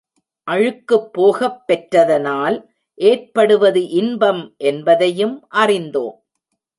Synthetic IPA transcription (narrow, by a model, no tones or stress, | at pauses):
ʔɐɻɯkːɯpːoːɣɐpːɛʈrɐðɐnaːl | ʔeːrpɐɽɯʋɐðɯʔɪnbɐmʔɛnbɐðɐjɯmʔɐrɪnd̪oːm